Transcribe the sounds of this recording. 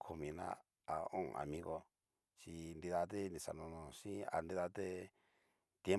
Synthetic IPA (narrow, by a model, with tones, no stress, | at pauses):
kʰo˨mĩ˨nã̰˦ | a˨õ̰˦˨˧a̰˨mĩ˦ɣo˧ | t͡ʃi˧nd̪i˧ða˧t̪̬e˦nĩ˧sa˨nõ˧nõ˧ʂĩ˦a̰˨nd̪i˧ða˧t̪e˦ | t̪je˦